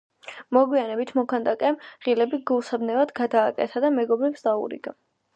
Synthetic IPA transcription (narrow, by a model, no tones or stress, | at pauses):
mɔɡwianɛbit̪ʰmɔkʰand̪akʼɛmʁilɛbiɡulˠsabnɛvad̪ɡad̪aːkʼɛ̰t̪ʰad̪amɛɡɔbɾipsd̪aṵɾḭɡa